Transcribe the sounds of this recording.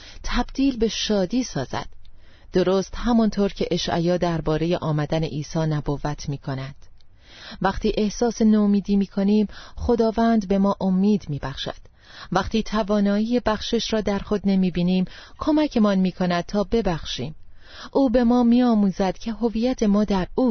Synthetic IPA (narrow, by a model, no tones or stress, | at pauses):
t̪ʰæbd̪̥iːlbe̞ʃɒːd̪iːsɒːzæ̰d̪̥ː | o̞ɾoːst̪hæmɒnt̪ʰoːɾcʰe̞ʔeʃʔæ̰jɒːd̪æɾbɒːɾe̞jeʔɒːmæd̪ænḛʔiːsɒːnæbovæt̪ʰmiːkʰo̞næd̪̥ | væqt̪ʰiːʔe̞hsɒːse̞nomiːd̪iːmiːkʰo̞niːmxo̞d̪ɒːvæːnd̪be̞mɒːʔo̞mːiːd̪miːbæχʃæ̰d̪̥ | væqt̪ʰiːt̪ʰævɒːnɒːjiːjebæxʃe̞ʃɾɒːd̪æɾxo̞d̪ne̞miːbiːniːmkʰo̞mæcʰe̞mɒnmiːkʰo̞næd̪̥̚t̪ʰɒːbe̞bæxʃiːm | ʔuːbe̞mɒːmiːɒːmuːzæd̪̥cʰe̞ɦo̞viːjæt̪ʰe̞mɒːd̪æɾuː